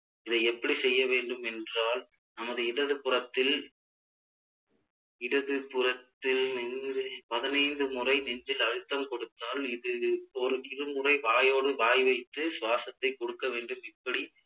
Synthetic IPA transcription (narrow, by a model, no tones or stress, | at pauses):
ɪðɐɪɛpːɐɽisɛjːɐʋeːɳɖɯmɛndraːl | nɐmɐðɯɪɽɐðɯpːɯrɐt̪ːɪl | ɪɽɐðɯpʊrɐt̪ːɪlnɛndɯpɐðɪnɐɪnd̪ɯmʊrɐɪnɛnd͡ʒɪlɐɻɯt̪ːɐmkɔɽɯt̪ːaːlɪðɯɔɾɯɪɾɯmʊrɐɪʋaːjoːɽɯʋaːjʋɐɪt̪ːɯsʋaːsɐt̪ːɐɪkːɔɽɯkːɐʋeːɳɖɯmɪpːɐɽi